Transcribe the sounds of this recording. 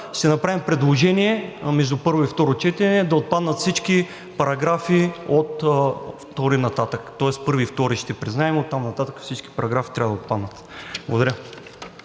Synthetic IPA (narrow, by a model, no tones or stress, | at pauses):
ʃt̪ɛnɐpɾavimpɾɛd̪lˠoʒɛniɛmɛʒd̪upɤɾvoift̪ɔɾot͡ʃɛt̪ɛnɛd̪ɐot̪̚pad̪nət̪fsit͡ʃki | pɐɾɐɡɾafiot̪ft̪ɔɾinɐt̪at̪əkt̪ɔɛspɤɾvift̪ɔɾiʃt̪ɛpɾiznaɛmot̪ːamnɐt̪at̪əkə̥fsit͡ʃki̥pɐɾɐɡɾafit̪ɾavəd̪ɐot̪̚pad̪nət̪ | blˠɐɡʊd̪ɐɾə